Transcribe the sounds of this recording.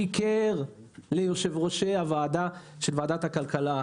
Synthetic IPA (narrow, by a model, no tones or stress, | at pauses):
ikeʁ | lejoʃevʁo̞ʃeavaːd̪aʃelvaad̪at̪hakalkala